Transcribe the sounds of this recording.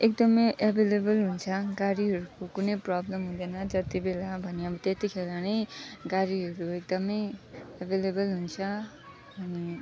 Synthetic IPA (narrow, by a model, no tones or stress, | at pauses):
ek̚d̪ʌmʌjʔebʱelebʌlɦunt͡sʰʌɡaɾiɦʌɾukokunʌjprʌblʌmɦud̪ʌnʌd͡zʌt̪ibelabʱʌneʌbʌt̪et̪ikʰelanʌjɡaɾiɦʌɾuek̚d̪ʌmʌjebʱelebʌlɦunt͡sʰʌ | ʌni